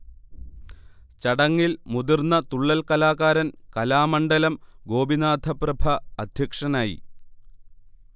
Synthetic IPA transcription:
t͡ɕɐɽɐŋːilmud̪irnːɐt̪uɭːɐlkɐlaːɣaːɾɐnkɐlaːmɐɳɖɐlɐmɡo̞ːbinaːd̪ʱɐprɐbʱɐɐd̪ʱjɐkʂɐnaːjḭ

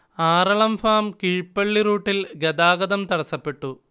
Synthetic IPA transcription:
aːɾɐɭɐmfaːmkiɻpːeɭːiɾuːʈːilɡɐd̪aːɡɐðɐmt̪ɐɽɐsːɐpːe̞ʈːu

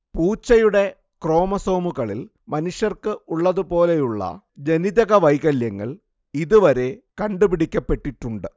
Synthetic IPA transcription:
puːt͡ɕːɐjuɽe̞ | kro̞ːmɐso̞ːmuɣɐɭḭl | mɐnuʂjɐrkɨuɭːɐðupo̞ːle̞juɭːɐ̰ | d͡ʑe̞niðɐɣɐʋɐjɣɐljɐŋːɐ̰ɭ | iðuʋɐɾe̞kɐɳɖupiɽikʲːɐpːe̞ʈːiʈːuɳɖɨ

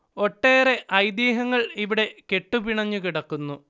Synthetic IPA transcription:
o̞ʈːeːɾe̞ʔɐjd̪iːɦɐŋːɐɭiʋiɽe̞ke̞ʈːupiɳɐɲːukiɽɐkːunːu

